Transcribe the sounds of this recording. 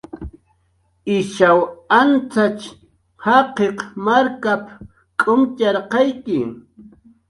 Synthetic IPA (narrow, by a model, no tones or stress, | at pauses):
ɪʃawant͡sat͡ʃ | hɑqeqmaɾkap | kʼʊmt͡ʃɑɾqɑjkɪ